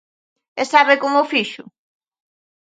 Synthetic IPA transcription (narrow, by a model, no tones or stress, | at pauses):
ɛsaβekomofiʃʊ